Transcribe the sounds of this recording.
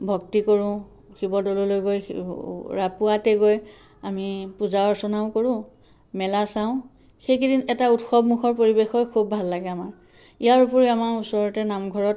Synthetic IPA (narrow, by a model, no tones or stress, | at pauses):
bʱɔk̚tikoɹʊ̃ | xibɔdɔlolojɡoj̰ | ɹapuatɛɡoj | amipuzaɔɹsɔnaʊ̃koɹʊ̃ | mɛlasãʊ̃ | xejkidinɛtautxɔbmuxʰɔɹpoɹibexɔjkʰobːʱalːaɡɛamaɹ | ijaɹupuɹiamaɹusɔɹɔtɛnamɡʱɔɹɔt